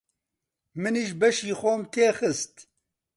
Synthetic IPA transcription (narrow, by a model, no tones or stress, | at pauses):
mɨniʒbɛʃiːxoːmt̪ʰeːxɨst̪